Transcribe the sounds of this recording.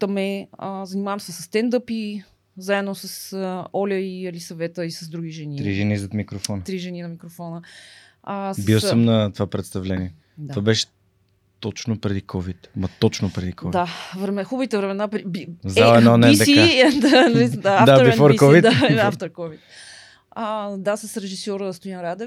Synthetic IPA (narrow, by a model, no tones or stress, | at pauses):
t̪ɐmɛəzɐnimavɐmsɛsɐsːt̪ɛnd̪ɤpi | zaɛd̪nosəsəɔlʲəiɐlisɐvɛt̪əisɐzd̪ɾuɡʲiʒɛnit̪ɾiʒɛnizɐt̪mikɾofɔnət̪ɾiʒɛninɐmikɾofɔnə | sbiw̪əmnɐt̪ovapɾɛt̪st̪ɐvlɛniɛ | td̪ovabɛʃɛ̥ | t̪ɔt͡ʃnopɾɛd̪ikʰɔvit̪mɐt̪ɔt͡ʃnopɾɛd̪ikɔvd̪avɾɛmɛxubəvit̪ɛvɾɛmɛnapɾibizaɛnɔnɛt̪ɐikaɛd̪anɐisd̪aafd̪aoɾbifoɾkɔvit̪aɛaft̪oɾkɔvit̪ | əd̪asɐsɾɛʒisjɔɾəst̪ojnɾad̪ɛf